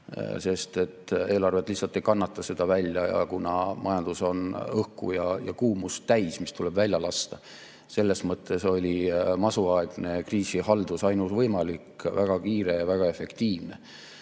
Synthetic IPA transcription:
se̞st̪e̞t̪ːˑeːlɑrvet̪ːˑlihsːɑlt̪ːˑe̞jkɑnːɑt̪ˑːɑse̞d̪̥ɑvælʲjɑjɑ̰kunɑmʔɑjɑnd̪̥uso̞nɤhkṵjɑjɑ̰kuːmust̪æjsmist̪ule̞bvælʲjɑlɑst̪ɑ | se̞lːesmɤt̪ːˑe̞so̞lʲimɑsuɑeɡ̥ne̞kriːsihɑld̪usɑjnusvɤjmɑlikvæɡ̥ɑkiːɾe̞jɑvæɡ̥ɑe̞fe̞kt̪iːvne̞

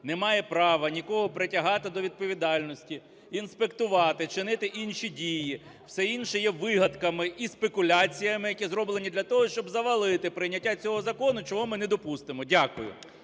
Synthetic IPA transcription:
nɛmɑjɛpɾɑʋɐnʲikɔɦɔpɾetʲɐɦɑt̪ɪd̪ɔʋʲid̪̚pɔʋʲid̪ɑlʲnɔsʲtʲi | inspekt̪ʊʋɑt̪ɪt͡ʃɪnɪt̪ɪʔinʃidʲiji | w̥sɛinʃɛjɛʋɪɦɐd̪kɐmɪʔispekʊlʲat͡sʲijɐmɪjɐkʲizɾɔblˠenʲid̪lʲɐt̪ɔɦɔʃt͡ʃɔbzɐʋɐlˠɪt̪ɪpɾɪjnʲɐtʲːat͡sʲɔɦɔzɐkɔnʊt͡ʃɔɦɔmɪnɛd̪ɔpust̪ɪmɔdʲakʊjʊ̰

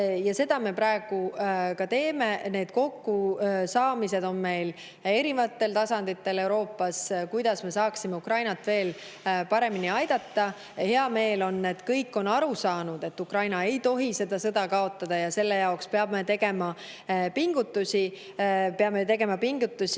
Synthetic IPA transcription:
jɑse̞d̪̥ɑme̞pɾɑeɡ̥ukɑt̪e̞ːme̞ne̞ːd̪̥ko̞kːusɑːmise̞d̪̥o̞nme̞jl | e̞ɾivɑt̪ːe̞lt̪ɑsɑnd̪̥it̪ːe̞le̞wɾo̞ːpːɑskujd̪̥ɑsme̞sɑːksime̞ukrɑjnɑt̪ːve̞ːl | pɑɾe̞miniɑjd̪̥ɑt̪ːɑ | he̞ɑme̞ːlo̞nːe̞t̪kɤjkːˑo̞nɑɾusɑːnud̪̥e̞t̪ːukrɑjnɑe̞jt̪o̞ɦise̞d̪ɑsɤ̞d̪̥ɑkɑo̞t̪ːˑɑd̪̥ɑjɑse̞lːe̞jɑokspe̞ɑbme̞t̪e̞ɡ̥e̞mɑ | piŋɡ̥ut̪ːˑusʲi | pe̞ɑme̞t̪̬e̞ɡe̞mɑpiŋɡ̥ut̪ːˑusi

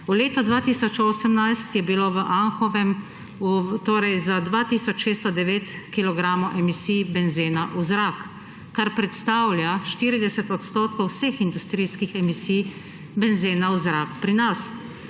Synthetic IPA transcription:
uleːt̪ɔd̪ʋaːt̪iːsɔt͡ʃoːsəmnajst̪jɛbiloʋəʔanxɔʋɛm | ut̪oːɾɛjzad̪ʋat̪iːsɔt͡ʃʃeːst̪ɔd̪ɛʋeːt̪kilɔɡɾaːmɔʔɛmisijbɛnzeːnaʔuzɾakː | aɾpɾɛt̪st̪awljaʃt̪iːɾid̪ɛsɛt̪ɔt̪st̪oːt̪kɔwsexind̪ust̪ɾiːskixɛmisiːj | bɛnzeːnauzɾakpɾinas

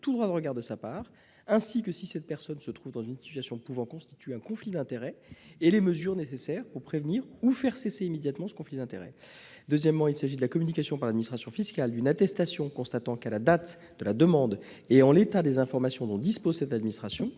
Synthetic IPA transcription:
t̪ud̪ʁwad̪əʁəɡaʁd̪əsapaːʁ | ɛ̃sikəsisɛt̪̚pɛʁsɔnsət̪χuvd̪ɑ̃zynsi̥t̪ɥasjɔ̃puvɑ̃kɔ̃st̪i̥t̪ɥeɛ̃kɔ̃flid̪ɛ̃t̪eʁɛeleməzyʁnesesɛʁpuʁpχevniːʁufɛʁseseimed̪jat̪mɑ̃sə̥kɔ̃flid̪ɛ̃t̪eʁɛ̰d̪øzjɛmːɑ̃ilsaʒid̪əlakɔmynikasjɔ̃paʁlad̪minist̪χasjɔ̃fiskald̪ynat̪ɛst̪asjɔ̃kɔ̃st̪at̪ɑ̃kalad̪at̪ | d̪əlad̪əmɑ̃d̪ | eɑ̃let̪ad̪ezɛ̃fɔʁmasjɔ̃d̪ɔ̃d̪ispozsɛt̪ad̪minist̪χasjɔ̃

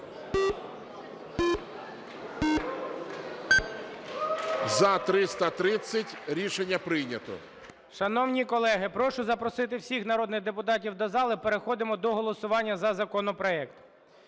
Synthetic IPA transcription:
zɐt̪ɾɪst̪ɐt̪ɾɪt͡sʲːɐtʲɾʲiʃenʲːɐpɾɪjnʲɐt̪ɔ̰ | ʃɐnɔwnʲikɔlˠɛɦɪpɾɔʃʊzɐpɾɔsɪt̪̬ɪwsʲixnɐɾɔd̪nɪɣd̪epʊt̪ɑtʲiwd̪ɐzɑlˠɪpeɾexɔd̪ɪmɔd̪ɔɦɔlˠɔsʊʋɑnʲːɐzɐzɐkɔnɔpɾɔɛkt̪

